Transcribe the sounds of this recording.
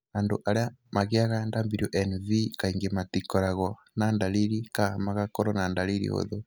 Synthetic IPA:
andoʔaɾeamaɣeaɣandambiɾioʔɛnvikaiŋɡematikɔɾaɣɔ | nandaliɾikahamaɣakɔɾɔnandaliɾḭo̰ðo

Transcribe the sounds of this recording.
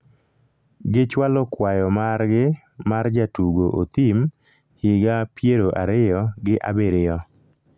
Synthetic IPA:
ɡɪt͡ʃwalɔkwajɔmarɡɪ | mard͡ʒatuɡoʔot̪im | hɪɡapjeɾoʔaɾɪjɔɡɪʔa̰beɾɪjɔ

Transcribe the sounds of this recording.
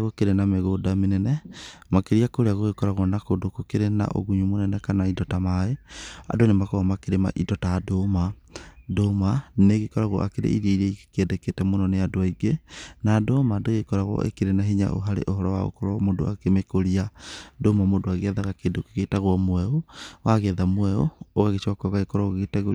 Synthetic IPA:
aɣokeɾenameɣodamenɛnɛmakeɾiakoɾeaɣoɣekɔɾaɣwɔnakodokokeɾena̰ʔo̰ɣuɲumonɛnɛkanaidɔtamaea̰donemakɔɣɔmakeɾema̰ʔidɔtadoma | domaneɣekɔɾaɣwɔ̰ʔakeɾḛiɾieiɾɛikɛdɛketɛmonɔneadoaiɡenaːdomadoɣekɔɾaɣɔ̰ʔḛkeɾenaɦeɲa̰ʔo̰ɦaɾḛʔoɦɔɾɔwa̰ɣo̰kɔɾɔmodoa̰kemekoɾiadomamodoaɣeɛðaɣakedokeɣetaɣwɔmwɛowaɣɛðamwɛooɣaɣet͡ʃakɔɣaɣekɔɾɔɣɣetaɣo

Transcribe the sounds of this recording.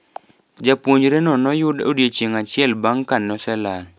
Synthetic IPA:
d͡ʒapwoɲd͡ʒɾenɔnɔjʊdo̰djet͡ʃeŋat͡ʃɪɛlbaŋkanːɔsɛla

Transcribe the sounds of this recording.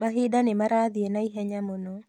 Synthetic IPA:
maɦɪdanɛmaɾad̪ɪenaiɦɛɲamono

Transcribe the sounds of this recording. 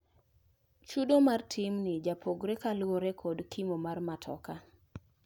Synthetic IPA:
t͡ʃudomartʰɪmnɪd͡ʒapʰoɡɾekalwoɾekʰodkʰimomarmatʰɔ̰ka

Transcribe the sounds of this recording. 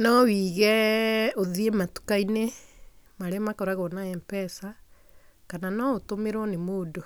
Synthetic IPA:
nɔwiːɣɛoðiematu̥kaine | maɾeamakɔɾaɣɔnaɛmpɛsa | kananɔotomeɾwɔnemoːdo

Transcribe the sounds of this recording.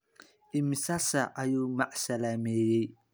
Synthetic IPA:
ʔɪmsɐsɐʔɐjuːmɑʕsɐlaːmɛːjɛj

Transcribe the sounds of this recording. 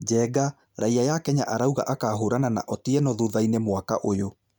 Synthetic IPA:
d͡ʑɛːɡa | ɾaiajakɛɲaʔaɾauɣa̰ʔakaːɦoːɾanana̰ʔɔtiɛnɔðoːðainemwaka̰ʔojo

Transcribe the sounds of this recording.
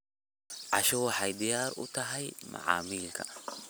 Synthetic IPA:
ʕa̰ʃɔwɐħajd̪ɪjaːɾʊ̰t̪ɐɦɐjma̰ʕa̰ːmiːlkʰɐ̰

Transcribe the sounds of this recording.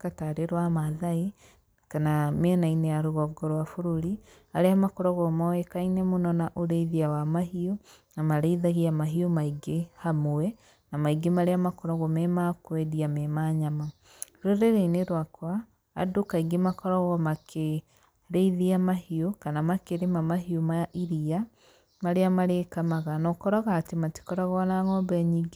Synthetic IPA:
kataɾeɾwamaðai | kanameɛnainejaɾoɣɔɡɔɾwafoɾoɾi | aɾeamakɔɾɔɣɔmɔɛkainɛmonɔnaʔoɾeiðiawamahionamaɾɛiðaɣiamaɦiomaiɡehamoɛ | namaiɡemaɾeamakɔɾɔɣɔmɛmakwɛdiamɛmaɲama | ɾɔɾeɾeineɾwakwa̰ː | dokaiɡemakɔɾɔɣwɔmakʰe | ɾeiðiamahiokanamakeɾemamaɦiomaʔiɾia | maɾeamaɾekamaɣanɔkɔɾaɣaːtemati̥kɔɾaɣanaːŋɔːmbɛaɲiːɡe

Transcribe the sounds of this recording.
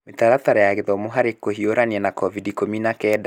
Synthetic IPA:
metaɾataɾajaɣeðɔmoɦaɾekoɦioɾaniɛnakɔvidikominakɛda

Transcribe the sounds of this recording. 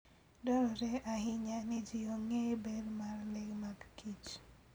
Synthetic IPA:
dɔɾɔɾɛʔaɦɪɲanɪd͡ʒɪoŋebedmarlɛɡmaɡkit͡ʃ

